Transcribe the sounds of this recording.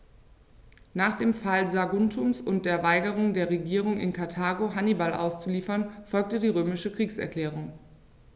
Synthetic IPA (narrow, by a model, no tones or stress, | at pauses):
naːχd̥eːmfalzaɡʊntʰʊmsʊnt̚d̥eːɐvaɪɡəʁ̞ʊŋdeːɐʁeɡiːʁ̞ʊŋɪ̰nkʰaɐtʰaːɡoɦanibalʔa̰ʊst͡suliːfɐnfɔlk̚tədiːʁøːmɪʃəkʁ̥iːksɛ̰ɐkl̥ɛːʁ̞ʊŋ